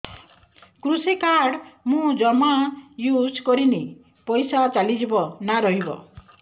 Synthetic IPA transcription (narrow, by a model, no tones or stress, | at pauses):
kɾusikaɾɽmũd͡ʒɔmajud͡ʒkɔɾini | pɔjsat͡ʃalid͡ʒibɔnaɾɔɦibɔ̰